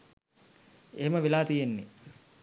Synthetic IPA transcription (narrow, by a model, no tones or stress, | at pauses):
eməʋelaːt̪ijenːe